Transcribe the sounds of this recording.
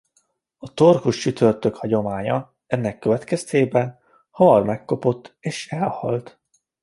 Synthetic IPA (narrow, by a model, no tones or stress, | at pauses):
ɒt̪o̞rkuʃt͡ʃyt̪ʰø̞rt̪ø̞khɒɟo̞maːɲɒ | ɛnːɛkːøvɛt̪kɛst̪eːbɛn | hɒmɒrmɛkːo̞po̞t̪ːeːʃɛlhɒ̰lt̪